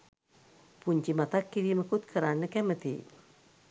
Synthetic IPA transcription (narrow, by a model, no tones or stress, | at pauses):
puɲt͡ʃimat̪akːiɾiməkut̪̚kʰəɾanəkɛmət̪ḭ